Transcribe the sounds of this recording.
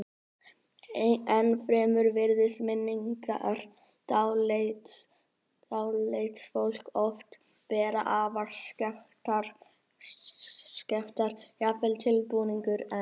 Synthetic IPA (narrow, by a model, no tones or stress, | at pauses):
ɛnfɾɛːmʏɾvɪɾðɪsmɪnːiŋka̰ɾ̥ | t̪awlet̪ | awejt̪sfowl̥kɔft̪ | pɛːɾaʔaːvaɾ̥t̪a | scɛft̪aɾ̥jafɛlt̪ʰɪlpuːniŋkʏɾɛ